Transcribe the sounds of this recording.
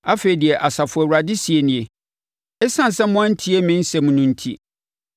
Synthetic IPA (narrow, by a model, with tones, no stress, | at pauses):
a˦feː˨i˨di˨ɛ˨ʔa˨sa˨fʊ˨˦ɛ˨wu˨ɾa˨dɪ˦si˨e˦nɪ̃˨e˨ | ɛ˦sã˦˨n̩˨sɛ˦mʊ̃˦n̩˦tʰi˦e˦mɪ̃˦n̩˦sɛ˨mũ˨nʊ̃˨n̩˦tʰi˦